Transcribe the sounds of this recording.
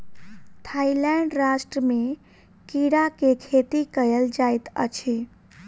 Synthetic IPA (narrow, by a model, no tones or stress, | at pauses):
t̪ʰailɛɳɖɾasʈɾəme | kiɾakekʰet̪ikəjəld͡ʒajt̪ə̰t͡ʃʰi